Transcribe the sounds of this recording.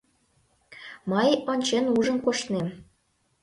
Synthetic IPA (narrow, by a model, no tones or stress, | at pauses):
məjonʲt͡ɕenuʒənkoʃt̪nem